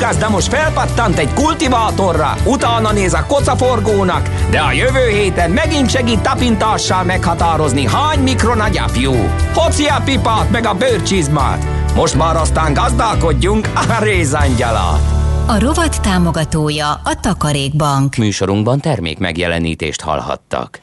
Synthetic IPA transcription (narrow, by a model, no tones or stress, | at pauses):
ɡɑzd̪ɑmoʃt̪fɛlpɑt̪ːɑnt̪ɛɟkult̪ivaːt̪o̞rːɒ̰ut̪aːnɒneːzɒkot̪sɒforɡoːnɒkd̪ɛɒjøvøːɦeːt̪ɛmːɛɡint̪ʃɛɡiːt̪ːɒpint̪aːʃːɒlmɛkhɒt̪aːɾo̞zniɦaːɲmikro̞nɒɟɑ̰pjuː | fo̞t̪siɑpipaːt̪mɛɡɒbøːrt͡ʃizma̰ːt̪ | mo̞ʃt̪maːɾɒst̪aːŋɡɒzd̪alko̞ɟːuŋkɒɾeːzɑɲɟɒlɒ̰ɒɾo̞vɒt̪ːaːmo̞ɡɒt̪oːjɒɒt̪ɒkɒɾeːɡ̚bɒŋkmyːʃo̞ɾuŋɡ̚bɒnt̪ɛrmḛːkmɛ̰ɡjɛlɛ̰nḭːt̪eːʃt̪hɒ̰lhɒ̰t̪ːɒ̰k